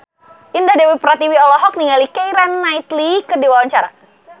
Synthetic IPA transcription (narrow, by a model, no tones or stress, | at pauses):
indadɛwipɾat̪iwiɔlɔɦɔk̚niŋalikɛjɾanːait̪likərdiwawaɲt͡ʃaɾa̰